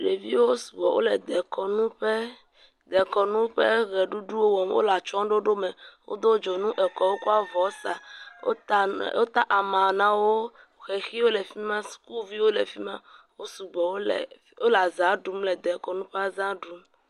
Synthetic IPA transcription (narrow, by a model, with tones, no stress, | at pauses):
ɖe˨vi˦wo˦su̥˨ɡ͡bɔ˨wʔo̰˦lɛ˨d̪ɛ˨kɔ˨nũ˦ɸe˦ | d̪ɛ˨kɔ˨nũ˦ɸɛ̰˦ɣɛ˨ɖu˦ɖu˦wo˦wɔ˨m˦wo̰˦la˨t͡ʃɔ̃˦ɖo˦ɖo˦me˨wo̰˦d̪o˦d͡ʒo˨nũ˦ʔɛ˨kɔ˨˦wo˦ku˦a˦vɔ˨sa˨˦˨ | wo˦t̪a˦ʔa˨mã˨nã˨wo˦˨ | xɛ˨xi˦wo˦lɛ˨fi˦mã˦su̥˦ku˦vi˦wo˦lɛ˨fi˦mã˦wo˦su˨ɡ͡bɔ˨wo̰˦˨ | o˦la˨zã˦ɖu˨˦mlɛ˨d̪ɛ˨kɔ˨nũ˦ɸe˦a˦zã˦ɖu˦m